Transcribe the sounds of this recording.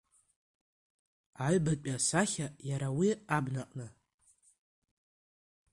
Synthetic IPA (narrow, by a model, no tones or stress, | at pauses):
aɥbaasaχʲajaɾawiabnaqʼnɨ